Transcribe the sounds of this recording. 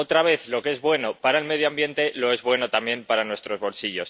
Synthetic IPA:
ot̪ɾaβ̞e̞θloke̞zβwe̞no̞paɾaelme̞ð̞joambje̞nt̪e̞lo̞e̞zβwe̞no̞t̪amje̞mpaɾanwest̪ɾo̞zβo̞lsiʝo̞̰s

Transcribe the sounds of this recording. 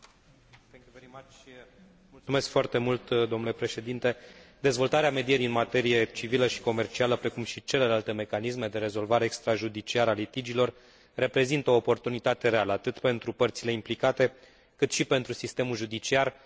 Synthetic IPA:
umeskfoart̪e̞mult̪d̪omnule̞pɾe̞ʃe̞d̪int̪e̞d̪e̞zvo̞lt̪aɾeame̞d̪ijeɾiɨnmat̪e̞ɾije̞t͡ʃiviləʃi̥ko̞me̞rt͡ʃialəpɾe̞kumʃit͡ʃe̞le̞lalt̪e̞me̞kanisme̞d̪e̞ɾe̞zo̞lvaɾeːkst̪ɾaʒud̪it͡ʃiaɾəalit̪id͡ʒilo̞r | re̞pɾe̞zint̪əo̞ːpo̞rt̪unit̪at̪e̞ɾe̞aləat̪ɨt̪pe̞nt̪ɾupərt̪sile̞implikat̪e̞ | kɨt̪ʃipe̞nt̪ɾusist̪e̞mulʒud̪it͡ʃiar

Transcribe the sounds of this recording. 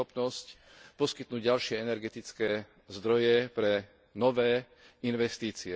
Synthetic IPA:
ɔpnɔsc | pɔskit̪nuːɟɟalʃɪɛɛnɛɾɡɛt̪it͡skɛː | zd̪ɾɔjɛpɾɛ | nɔʋɛː | inʋɛst̪iːt͡siɛ

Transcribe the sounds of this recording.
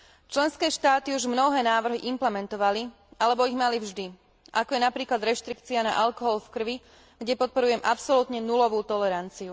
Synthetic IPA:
t͡ʃlɛnskɛːʃt̪aːt̪iuʒmnɔɦɛːnaːʋr̩ɦiʔimplɛmɛnt̪ɔʋali | alɛbɔiɣmalivʒd̪i | ʔakɔjɛnapɾiːklad̪ɾɛʃt̪ɾikt͡siana̰ʔalkɔɦɔlfkr̩ʋi | ɡɟɛpɔt̪̚pɔɾujɛmʔapsɔlut̪ɲɛnulɔʋuːt̪ɔlɛɾant͡siu

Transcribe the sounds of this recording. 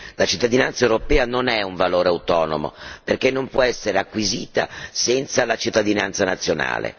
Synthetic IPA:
lat͡ʃit̪ːad̪inant̪saewɾopɛːanonɛuɱvaloːɾeawt̪ɔːno̰mo̰perkenːompwɔɛsːeɾeakːwiziːt̪a̰sɛnt̪salat͡ʃit̪ːad̪ina̰nt̪sanat̪sːjona̰ːlḛ

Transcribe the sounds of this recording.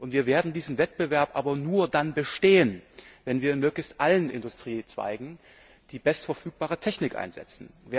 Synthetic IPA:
ʔʊntv̥iːɐveːɐdn̩diːzn̩vɛt̚b̥əvɛɐpʔa̰ːbɐnuːɐdanbəʃteːənvɛnviːɐɪnmøːklɪçstʔalənʔɪ̰ndʊstʁ̥iːt͡sv̥a̰ɪɡŋ̩ | d̥iːbɛstfɛɐfyːk̚b̥aːʁətʰɛçnɪkʔa̰ɪnzɛ̰t͡sn̩ve

